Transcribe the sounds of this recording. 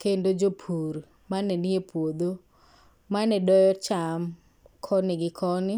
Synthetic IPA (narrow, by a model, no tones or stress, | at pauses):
kendod͡ʒopʰuɾ | manɛniepʰwod̪o | manɛdɔjɔt͡ʃam | kʰɔnɪɡɪkʰɔnɪ